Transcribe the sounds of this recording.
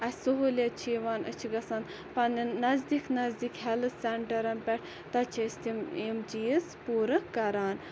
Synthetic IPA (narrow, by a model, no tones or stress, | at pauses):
ɐsuɦolʲɐt͡ʃʰiʋaːnə̰t͡ʃʰiɡɐsɐn | pɐnnɐzd̪iknɐzd̪ikɦɛlɨseɳʈɐɾɐnpʲɛʈʰ | t̪ɐt͡ʃʰɐsʲt̪ʰimimd͡ʒijispuːɾɐkːɐɾaːn